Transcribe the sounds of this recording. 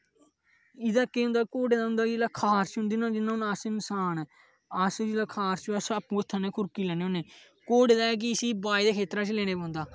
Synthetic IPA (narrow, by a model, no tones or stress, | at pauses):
ɪd̪aːkeːɦʊ̃nd̪aːkoːɖeːd̪aːɦʊ̃nd̪aːkɪlaːkʰaːst͡ʃɦʊ̃nd̪iːnãːd͡ʒɪnːãʊnasenɪsaːn | asd͡ʒlaːkʰaːst͡ʃəsapːũːət̪ʰːaːneːkʰʊɾkiːlɛːneːɦõneː | koːɖeːd̪aːɛːk̬iəsiːbaːid̪eːkʰeːt̪ɾãːt͡ʃleːñeːpãːnd̪aː